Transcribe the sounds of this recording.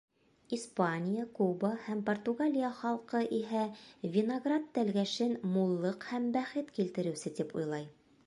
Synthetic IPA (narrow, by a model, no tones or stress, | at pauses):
ispanʲɪjakubəhæmport̪uɡalʲijaχɑlˠqɤʔiɦævʲɪnɐɡrat̪ːælɡæʃɘnmulˠːɤqhæmbæχɘt̪kilt̪ɘ̆ɾɘ̆wsɘt̪ipṵjlˠɑj